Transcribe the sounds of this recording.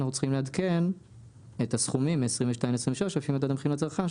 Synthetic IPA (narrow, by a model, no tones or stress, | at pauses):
naχut͡sχimlead̪ken | etasχumimeesʁimveʃtaĩmesʁĩveʃloʃafimod̪ad̪amχimat͡sʁχa